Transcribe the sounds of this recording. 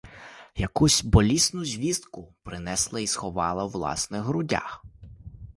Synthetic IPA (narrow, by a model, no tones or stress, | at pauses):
jɐkusʲbɔlʲisnʊzʲʋʲizt̪kʊpɾɪnɛslˠɐisxɔʋɑlˠɐwlˠɑ̰snɪɣɦɾʊdʲa̰x